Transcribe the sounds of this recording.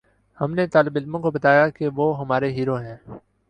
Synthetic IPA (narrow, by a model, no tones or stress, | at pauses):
hɐmnet̪aːlɪbɪlmõkobɐt̪aːjakeʋoːɦɐmaːɾeɦiːɾoɦɛ̃ː